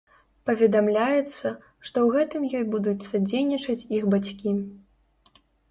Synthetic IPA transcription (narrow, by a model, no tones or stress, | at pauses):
pɐvʲɛd̪amlʲajɛt̪sːɐ | ʂt̪ɔwɣɛt̪ɨmjɔjbud̪ut͡sʲsad͡zʲejnʲit͡ʂɐt͡sʲixbat͡sʲkʲi